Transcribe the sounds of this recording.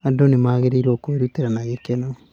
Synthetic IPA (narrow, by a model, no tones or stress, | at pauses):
adonemaːɣeɾeiɾɔkoeɾuteɾanaɣekena